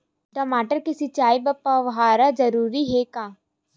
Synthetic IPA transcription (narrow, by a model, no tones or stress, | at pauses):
ʈɐmaːʈəɾkisit͡ʃaːibɐpːaʋɦaːɾad͡ʒɐɾuːɾiɦekaː